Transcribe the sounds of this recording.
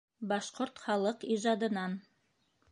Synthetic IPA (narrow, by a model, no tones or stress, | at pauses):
bɑʃqoɾt̪χɑlˠɤqiʒɑd̪ɤ̆nɑn